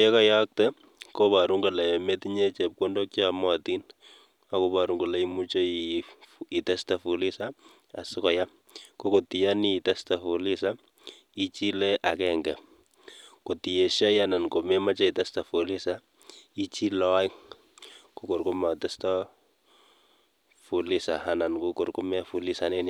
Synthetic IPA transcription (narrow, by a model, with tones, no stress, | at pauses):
ɛ˦ka˦ja˦k̚tɛ˦ | ko˦βa˨ɾu˦ŋɡo˨la˨ɛ˨me˦ti˦ɲe˦t͡ʃe˨p̚ko˦ndo˦kt͡ʃa˨ma˨ti˦n | a˨ko˦ba˨ɾu˦ŋɡo˨la˦i˦mu˦t͡ʃo˦i | i˨tɛ˦sta˨fu˨li˦sa˦ | a̰˨sʊ˦kɔ˨ja˦m | ko˦ko˨ti˨ja˦ni˨ta˦sta˨fu˨li˦sa˦ | i˦t͡ʃi˦lɛ˦ʔa˨kɛŋɡɛ˨ | ko˨ti˨je˨ʃa˦jana˨nko˨mɛ˦ma˦t͡ʃa˦i˨tɛ˦sta˨fu˨li˦sa˨ | i˦t͡ʃi˦lɔ˦ɪ˦ŋ | ku˨kʊ˨rkʊ˦ma˨tɛ˦sta˦ | fu˨li˦sa˨hana˨nku˦ku˨rku˦mɛ˦fu˨li˦sa˨nɛ˦n